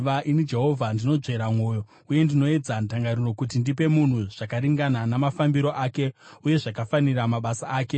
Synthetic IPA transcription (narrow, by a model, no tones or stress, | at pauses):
ʋaʔinid͡ʒe̞ɦo̞vʱandino̞d͡ʐe̞ɾamwo̞ːjo̞ | uje̞ndino̞e̞d͡zantaŋɡaɾiro̞kut̬indipe̞mun̤uʐ̥akaɾiŋɡananamafambiɾo̞ʔaːke̞uje̞ʐakafaniɾamaɓasaaːke̞